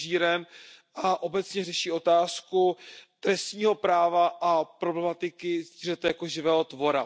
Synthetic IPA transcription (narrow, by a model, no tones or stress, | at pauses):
ʒiːɾɛmʔaʔo̞bɛt͡sɲɛrɛʃiːo̞t̪aːskut̪ɾɛst̪ɲiːɦo̞pɾaːvaʔapɾo̞blɛmat̪ɪkɪzciːr̝ɛt̪ɛjako̞ʒɪvɛːɦo̞t̪vo̞ɾa̰